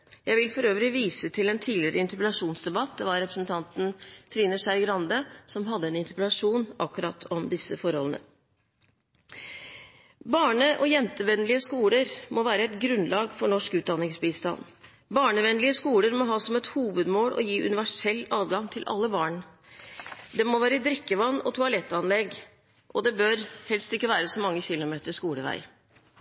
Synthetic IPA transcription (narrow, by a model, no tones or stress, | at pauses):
jæɪʋɪlfɔɾøːʋɾɪʋiːsət̪ʰɪlɛnt̪ʰiːlɪəɾəɪnt̪əɾpəlɑʂuːnsd̪ɛbɑt̪̚d̪ɛʋɑɾːɛpɾəsnt̪ʰɑnt̪n̩t̪ʰɾiːnəʂæɪɡɾɑnd̪əsɔmɦɑd̪ːəɛnɪnt̪əɾpəlɑʂuːnʔɑkːʉɾɑt̪ʰɔmd̪ɪsːəfɔɾhɔlnə̰ | bɑːɳəʔɔjɛnt̪əʋɛnlɪəskuːləɾmɔʋæːɾəɛt̪ɡɾʉnlɑːɡfɔɳɔʂkʉːt̪̚d̪ɑnːɪŋsbiːst̪ɑ̰nː | bɑːɳəʋɛnlɪəskuːləɾmɔɦɑːsɔmɛt̪huːʋəd̪moːlʔɔ̰jiːʔʉ̰nɪʋæʂɛlːɑːd̪ɡɑŋt̪ʰɪlʔɑ̰lːəbɑːɳ | d̪ɛmɔʋæːɾəd̪ɾɪkːəʋɑnːɔt̪ʰʊɑlɛt̪ːɑnlɛɡ | ʔɔd̪ɛbøɾhɛlst̪ɪkːəʋæːɾəsɔmɑŋːəçɪlʊmeːt̪əʂkuːləʋæ̰ɪ